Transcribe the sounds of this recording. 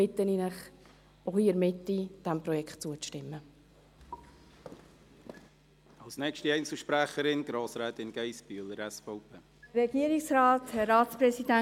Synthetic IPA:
ɪt̪ːəninəχ | ohiːəɾmɪtːid̥ɛmpɾɔjɛktt͡suət͡stɪmːə | ɑlsnɛkʃtiɛjnt͡sl̩ˠʃpɾæχəɾɪnɡ̥ɾɑːsɾɛːt̪ɪnɡ̥ɛjsb̥yələɾɛsfɔʊpʰeː | ɾɛɡiːɾɪksɾɑːthɛːɑːspɾɛsidæ

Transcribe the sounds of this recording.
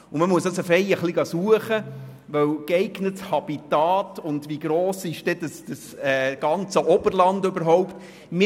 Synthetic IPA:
ʊməmuəsdɑsəfɛjəχliɡɑsuəχə | ʋœwkɛɪɡnəthɑb̥itɑːtʊnd̪ʋiɡɾoːsɪʃd̥ɛd̥əsd̥əsɛɡ̥ɑnt͡səʔɔb̥əɾlɑndøbəɾɦɔwpt | mɪ

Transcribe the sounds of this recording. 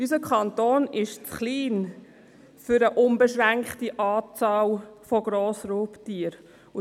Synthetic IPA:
ysəkχɑntoːnɪʃt͡sχliːn | fʏɾəʔʊnbəʃʁæŋkχtiʔɑːt͡sɑːlfoɡɾoːsɾoːptiːəɾ | ʊ

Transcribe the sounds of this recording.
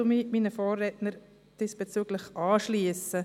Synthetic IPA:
ʊmiːmiːnəfɔːrːɛtnəɾ | d̥isb̥ɛt͡syːɡ̥lɪχʔɑːʃliːəsə

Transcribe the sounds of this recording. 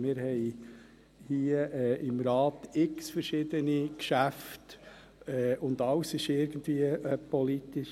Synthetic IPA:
mɪːɾhɛɪ | hiːəʔɛːʔɪmɾɑːtɪksfəɾʃɪd̪ənikʃæft | ɛːʊnd̪ɑwsɪʃɪɾɡ̥ən̩dviːəpɔlitɪʃ

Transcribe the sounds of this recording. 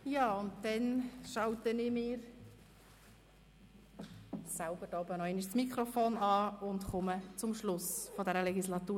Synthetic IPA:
jɑːʊntdɛnʃɑwtənɪmɪːɾ | salbəɾdɔːbənɔeniʃt͡smikʰɾɔfoːnɑːʊndχʊmət͡sʊmʃlʊsfodɛɾəlɛɡislɑtuːɾ

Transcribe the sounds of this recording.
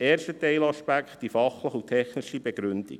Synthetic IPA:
eːɾʃtət̪ɛɪlɑʃpæktd̥ifɑχləχut̪ʰɛχniʃibɛɡɾʏnd̥̪ḭk

